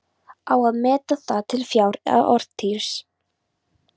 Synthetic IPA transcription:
awaðmɛːt̪aθat̪ʰɪlfjaːwɾa̰ðɔɾ̥t̪ʰiɾ̥s

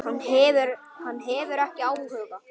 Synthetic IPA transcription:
hanːɦɛvʏɾ | hanːɦɛvʏɾɛhcɪaːwhœɣa

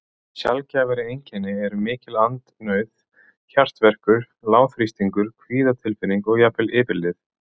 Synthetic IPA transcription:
sja̰lcavaɾɪejɲcʰɛnːɪɛɾʏmɪːcɪlant̪nœɥð | çar̥t̪vɛr̥kʏɾ̥ | laːwθɾist̪iŋkʏɾ̥kʰviːðat̪ʰɪlfɪnːiŋkɔɣjapɪlɪːpɪlɪθ

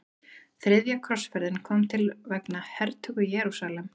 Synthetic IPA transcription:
θɾɪðjakʰɾɔsfɛɾðɪnkʰɔmt̪ʰɪlvɛknahɛɾt̪ʰʏɣʏjɛːɾusalɛm

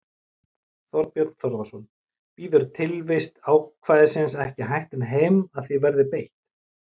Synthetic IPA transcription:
θɔɾpjɔɾt̪θɔɾðasɔn | piːðʏɾt̪ʰɪlvɪst̪awkʰvaːðɪsɪnsɛhcɪɦajht̪ɪnɦejmaðθivɛɾðɪpejht̪

